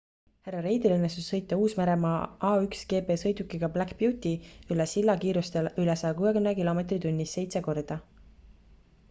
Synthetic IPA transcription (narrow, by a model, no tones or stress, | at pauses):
hærːɑɾe̞jd̪ilɤnːest̪usːɤ̞jt̪ːˑɑuːsmæɾe̞mɑɑːyksɡ̥e̞ːpe̞ːsɤjd̪ukːˑiɡ̥ɑblækpjuːt̪ʲiylesilːɑkiːɾust̪elylesɑjɑkuːekymnekilo̞me̞t̪rit̪unʲːise̞jt̪se̞ko̞rd̪̥ɑ